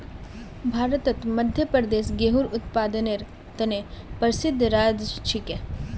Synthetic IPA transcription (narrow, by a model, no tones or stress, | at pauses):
bʱaːɾət̪ɐt̪mɐd̪ʱjəpəɾd̪eːsɡeɦuːɾʊt̪paːd̪əneɾ | t̪ɐnepəɾsɪd̪ʱːɾaːd͡ʒt͡ʃʰike